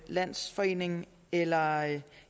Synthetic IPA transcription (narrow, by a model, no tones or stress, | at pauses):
læn̰sfɒ̽e̝̰ːne̝ŋ | elɐ